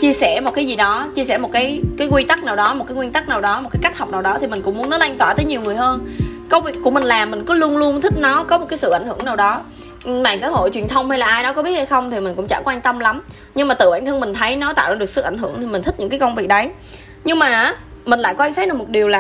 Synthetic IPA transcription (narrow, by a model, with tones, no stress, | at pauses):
t͡ɕi˧əsɛ˧˩mo˨˩kaː˨˦jzi˨˩ɗɔ˨˦t͡ɕi˧əsɛ̰˧˩mo˨˩t̚kaː˨˦jkaː˨˦jkwi˧t̪a˦˥k̚naː˨˩wɗɔ˨˦mo˨˩kaː˨˦ŋwi˧nt̪a˦˥k̚naː˨˩wɗɔ˨˦mo˨˩t̚kaː˨˦jka˦˥k̟̚hɔ˨˩k͡p̚naː˨˩wɗɔ˨˦t̪ʰi˨˩mï˨˩ŋ̟kʊ̰˧˥ŋ͡mmu˨˦ənɔ˨˦la˧jŋ̟t̪waː˧˩t̪əː˨˦ɲi˨˩əwŋɨ˨˩əjhəː˧nkə˨˧wvi˨˩kku˧˩mi˨˩ŋ̟laː˨˩mːï˨˩ŋ̟kɔ˨˦lu˧ənlu˧ənt̪ʰï˦˥k̚nɔ˨˦kɔ˨˦mo˨˩t̚kaː˨˦sɨ̰˧˨ʔa˧˩jŋ̟hɨ̰˧˩əŋnaː˨˩wɗɔ˨˦ | ɓa̰ː˧˨ŋsa̰ː˧˥˦ɦo̰˧˨jt͡ɕwi˨˩ənt̪ʰə˧wŋ͡mha˧jlaː˨˩ʔaː˧jɗɔ˨˦kɔ˨˦i˦˥ət̚ha˧jxə˧wŋ͡mt̪ʰi˨˩mï˨˩ŋ̟kʊ̰˧˥ŋ͡mt͡ɕa̰˧˩kwaː˧ŋ̟t̪ə˧mla˨˦m | ɲɨ˧ŋmaː˨˩ɨ̰˧˩ɓaː˧˩nt̪ʰɨ˧ŋmï˨˩ŋ̟t̪ʰə˨˦jnɔ˨˦t̪a̰ː˧˨wa˧˩ɨ˨˩ək̚sɨ̰˧˨˩ʔa˧˩ŋ̟hɨ˧˩əŋt̪ʰi˨˩mï˨˩t̪ʰï˦˥ɲɨ̰˧˥ŋkaː˨˦kə˧ŋ͡mvi˨˩ək̚ɗə˨˦j | ɲɨ˧ŋmaː˨˩ʔ | mï˨˩ŋ̟la̰ː˧˨jkɔ˧ʔa˧ŋsaː˦˥ɗɨ˨˩kmo˨˩t̚ɗi˨˩əwlaː˨˩